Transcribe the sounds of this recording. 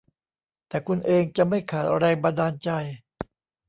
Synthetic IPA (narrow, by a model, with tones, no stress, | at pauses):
t̪ɛː˨˩kʰu˧nʔeː˧ŋt͡ɕa˨˩ma˥˩jkʰaː˨˩t̪̚ɾɛː˧ŋba˧ndaː˧nt͡ɕa˧j